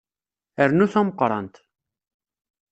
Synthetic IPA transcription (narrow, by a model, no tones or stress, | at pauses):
æɾnusɑmqɑɾɑ̰nt̪ʰ